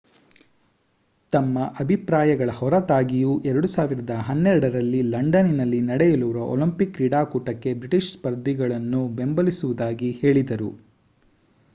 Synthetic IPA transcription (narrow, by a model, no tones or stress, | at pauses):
t̪ɐmːɐʔɐbʱipɾaːjɐɡɐɭɐhɔɾɐt̪aːɡijuʔɛɾɐɽusaːʋiɾɐd̪ɐɦɐnːɛɾɐɽɐɾɐlːilɐɳɖɐninɐlːinɐɽɛjɐluʋɾɐʔo̰lɐmpikɾiɽaːkuːʈɐkːe̞bɾiʈiʃspɐɾd̪ʱːiɡɐɭɐnːube̞mbɐlisuʋud̪aːɡihe̞ːɭid̪ɐɾu